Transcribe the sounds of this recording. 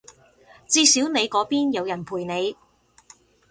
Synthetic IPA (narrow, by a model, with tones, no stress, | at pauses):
t͡siː˧siː˨˥wne˨˧jkɔː˨˥piː˥njɐ˨˧wjɐ˨˩npʰuː˨˩jne˨˧j